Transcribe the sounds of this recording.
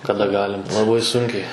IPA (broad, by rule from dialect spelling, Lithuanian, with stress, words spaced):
kɐˈdɐ ˈɡɑːlʲɪm lˠɐˈbɐɪ ˈsʊŋʲkʲɛɪ